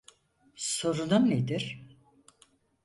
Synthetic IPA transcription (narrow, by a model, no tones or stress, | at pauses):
so̞ɾunumned̪iɾ̥